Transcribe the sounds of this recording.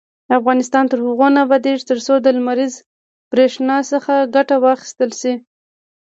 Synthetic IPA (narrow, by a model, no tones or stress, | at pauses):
afɣɑnɪst̪ɑnt̪əɾhʊɣonabad̪eʐt̪əɾsod̪əlmaɾiz | b̥ɾeʂnɑsəxaɡaʈawɑxɪ̥st̪əlʃi